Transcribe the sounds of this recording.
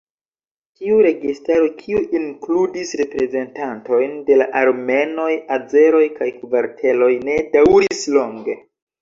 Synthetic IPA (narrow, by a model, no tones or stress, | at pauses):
tiuɾe̞ɡistaɾokʰiuʔiŋkludisɾe̞pɾe̞ze̞ntanto̞jnde̞laʔaɾme̞no̞jad͡ze̞ɾo̞jkajkuvaɾtʰe̞lo̞jne̞dawɾiislo̞ŋɡe̞